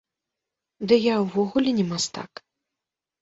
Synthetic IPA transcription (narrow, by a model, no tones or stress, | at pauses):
d̪ɨjawvɔɣulʲɛnʲɛmast̪a̰k